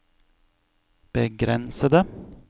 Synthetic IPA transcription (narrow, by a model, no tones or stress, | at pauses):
b̥əɡɾɛnsəd̪ə